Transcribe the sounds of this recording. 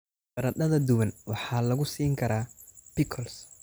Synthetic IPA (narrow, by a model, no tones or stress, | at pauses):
ɾɐd̪ɐðɐd̪ʊwɐnwɑħɑːlɐɣʊsiːŋkʰɐɾaːb̥ɪkʰɔls